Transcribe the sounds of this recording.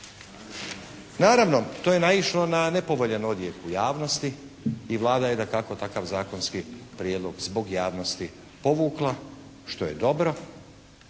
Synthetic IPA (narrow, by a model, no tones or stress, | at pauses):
naːɾaʋno̞t̪oːje̞naiʃlˠo̞nane̞po̞ʋoʎenod̪jekujaːʋno̞st̪i | iʋlˠaːd̪ajed̪akako̞t̪akaʋzaːko̞nskipɾijed̪lˠo̞ɡzbo̞ɡjaːʋno̞st̪i | po̞ʋuːklˠa | ʃt̪o̞je̞d̪o̞bɾo̞